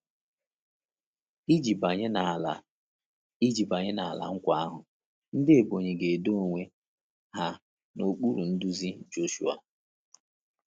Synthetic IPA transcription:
i˦i˨bɲ˦˨ | i˦d͡ʒi˨ba˨ɲe˦na˨a˨la̰˨ŋ̩˦kʷa˦a˦ɦʊ˨ | n̩˦dɪ˦e˨bo˨ɲe˨ɡe˨do˦˨ŋʷe˦ | ɦa˦ | no˨k͡pu˦ɾu˨n̩˦du˦zi˦d͡ʒo˦ʃu˦a̰˨

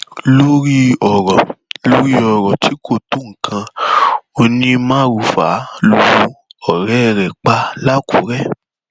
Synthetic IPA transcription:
lo˦ɾi˦ɔ˨ɾɔ˨lo˦ɾi˦ɔ˨ɾɔ˨ti˨˦kʰo˦˨to˨˦ŋ̩˨kʰã˧ao˧nĩ˧mãː˦ɾu˧fa̰˨˦lu˨wu˨˦ɔ˦˨ɾɛ˨˦ɛ˧ɾɛ˨k͡pa˧la˦kʰu˨˦ɾɛ˦˨

